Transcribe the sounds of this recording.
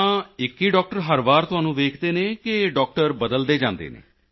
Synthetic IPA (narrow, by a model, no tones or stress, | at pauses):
ãːɪkːiːɖɔːk̚ʈəɾɦəɾbaːɾt̪ʊɦaːnũːʋeːkʰd̪eːneːkɪɖɔːk̚ʈəɾbəd̪əld̪eːd͡ʒãːnd̪ḛːnḛː